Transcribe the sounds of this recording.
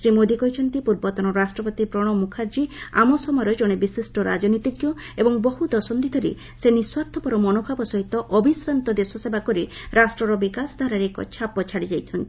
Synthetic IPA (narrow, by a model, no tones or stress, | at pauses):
sɾimod̪ikɔɦit͡ʃʰɔnt̪ipuɾbɔt̪ɔnɔɾasʈɾɔpɔt̪ipɾɔɽ̃ɔmukʰaɾd͡ʒia̰mɔsɔmɔɾɔd͡ʒɔɽ̃ebisisʈɔɾa̰d͡ʒɔnit̪ikjɔebɔŋbɔɦud̪ɔsɔnd̪it̪ʰɔɾḛ | seniswaɾt̪ʰɔpɔɾɔmɔnobʱabɔsɔɦit̪ɔʔɔbisɾant̪ɔd̪esɔsebakɔɾiɾasʈɾɔɾɔbikasd̪ʱaɾaɾekɔ̰t͡ʃʰapɔt͡ʃʰaɽid͡ʒajt͡ʃ̪ʰɔnt̪ii